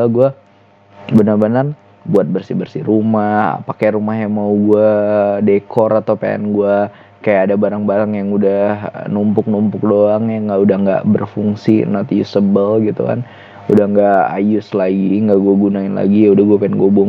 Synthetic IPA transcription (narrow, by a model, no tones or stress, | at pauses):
aɡua | bənarbənar | buat̪̚bərsibərsiɾumaha̰pakajrumahjaŋmauɡuadekʰɔɾat̪apa̰ɛ̰nɡua | kajaʔːdabaɾaŋbaɾaŋjaŋudahnumpʊk̚numpʊk̚doaŋjaŋɡaudahŋɡa̰ʔbərfuŋsinat̪ijʊsəbəlɡit̪ṵka̰n | udahŋɡaa̰jʊslaɡiŋɡaʔɡuaɡunaɪnla̰ɡiudahɡuapaɪnɡoabʊŋ